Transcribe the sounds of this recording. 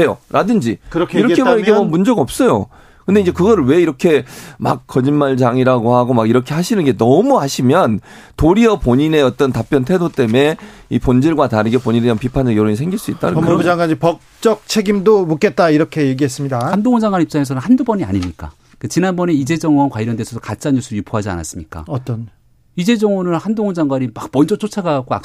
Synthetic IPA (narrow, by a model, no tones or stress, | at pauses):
he̞jo̰ɾʔadɯnd͡ʑiɾkiɾʌkʰebaiɡemʌmund͡ʑʌɡʌp̚s͈ʌjo̰ | kɯnde̞ind͡ʑe̞kɯɡʌɾɯɭwe̞iɾʌkʰe̞ma̰k̚k͈ʰːʌd͡ʑinmaɭd͡ʑaŋiɾaɡohaɡomaɡiɾʌkʰe̞ɦhaɕʰinɯnɡe̞nʌmuhaɕʰimjʌntoɾiʌpoɲine̞ʌt͈ʌntap͈jʌntʰe̞dot͈e̞me̞ipond͡ʑiɭɡwataɾɯɡepoɲineʌmpipʰand͡ʑʌɡjoɾoisʰe̞ŋɡiɭs͈uit̚t͈a̰nɯd͡ʑaŋɡaipʌk̚t͡ɕ͈ʌk̚t͡ɕʰeɡimdomuk͈e̞t̚t͈aiɾʌkʰe̞je̞ɡiɦe̞s͈ɯmɲidaandoŋʌnd͡ʑaŋɡwanip̚t͡ɕ͈aŋes̬ʰʌnɯnhandubʌɲia̰ɲimɲik͈a̰ | kt͡ɕinanbʌne̞id͡ʑe̞d͡ʑʌŋwʌnkwaɭɾjʌndesʰʌdokat͡ɕ͈anjusʰuɾjupʰoɦad͡ʑia̰na̰s͈ɯmɲik͈a̰ʌt͈ʌn | id͡ʑe̞d͡ʑʌŋonɯnhandoŋond͡ʑaŋɡwaɲimak̚mʌnd͡ʑʌt͡ɕ͈ot͡ɕʰaɡaɡoa̰k